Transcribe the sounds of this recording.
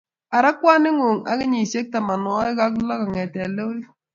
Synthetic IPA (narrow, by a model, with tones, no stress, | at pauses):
a˨ɾa˦kwa˦nɪ˦ŋo˨ŋa̰˦ki˦ɲi˨se˦k̚ta˨ma˨nwɔ˦i˦ɡa˦kla˦ka˨ŋɛ˨tɛ˨le˦li˦